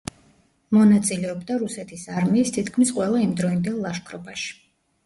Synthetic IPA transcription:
mɔnat̪sʼilɛɔbd̪aɾusɛt̪ʰisaɾmiːst̪ʰit̪kʰmisqʼwɛlˠaimd̪ɾɔind̪ɛlˠːaʃkʰɾɔbaʃi̥

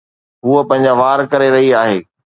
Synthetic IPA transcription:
ɦuəpɐ̃ɦɪ̃ɲ̆d͡ʑaʋaːɾkɐɾeɾɐɦiaːɦeː

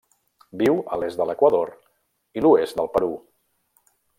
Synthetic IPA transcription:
biwə̰lezd̪ələkwəðoɾ | iluezd̪əlˠpəɾu

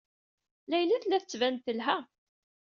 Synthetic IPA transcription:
læjlːæθlæθət͡sːvænθəlɦæ

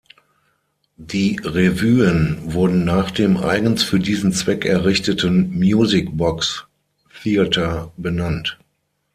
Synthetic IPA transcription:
d̥iːʁevyːənvʊɐdn̩naːχd̥eːmʔa̰ɪɡən̩sfyːɐdiːzn̩t͡sv̥ɛkɛɐʁɪçtətənmjuːzɪk̚bɔks | θiːatʰɐbənant

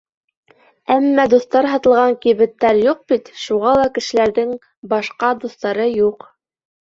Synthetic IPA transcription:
æmːæd̪uθt̪ɑɾɦɑt̪ɤ̆lˠʁɑŋkiβɘ̆t̪ːæɾjuq̚bit̪ʃuʁɑlˠɑkɘ̆ʃɘ̆læɾðɘŋ | bɑʃqɑd̪uθt̪ɑɾɤjuq

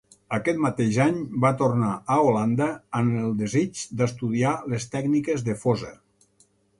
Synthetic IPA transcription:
əkɛt̪̚mat̪eʒaɲbat̪ornaəoland̪əːnəlˠd̪ezit͡ʃd̪əst̪uðialest̪ɛɡnikezðəfozə

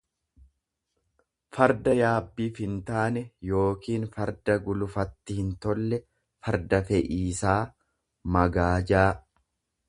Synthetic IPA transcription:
fɐɾd̪ɐjaːbːiːfhɪnt̪aːnɛjo̞ːkiːnfɐɾd̪ɐɡʊlʊfɐt̪ːɪhɪnt̪ɔlːɛ | fɐɾd̪ɐfɛʔiːsaː | mɐɡaːd͡ʒaː

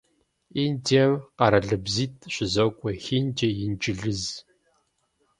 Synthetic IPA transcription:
indʰemqɐɾɐɮɨbziːtʰʼɕɪzokʷʼɔxind͡ʒɐjɪnt͡ʃʼɪɮɨz

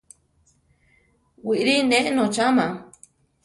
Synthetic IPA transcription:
wiʔɾinẽʔnot͡ʃama

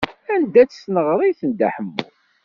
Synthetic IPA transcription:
ænd̪æt͡sːsnəʁɾˤiθənd̪aħəmːṵ

